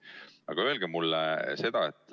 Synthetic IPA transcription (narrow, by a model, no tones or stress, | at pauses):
ɑɡ̥ɑøe̞lɡ̥emulːese̞d̪̥ɑet̪ːˑ